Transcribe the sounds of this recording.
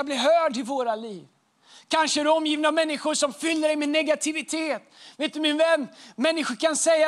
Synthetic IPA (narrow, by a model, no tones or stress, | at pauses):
ablɪɾɦœːɖɪvoːɾaliːv | kʰanʂəæɾɛɔmːjiːvnamɛnːɪɧʊʂɔmfʏlːəɖɛɪmɛnɛɡat̪ʰɪvɪt̪ʰeːt̪veːt̪d̪ɵmɪnvɛnːmɛnːɪɧʊɾkʰansɛjːa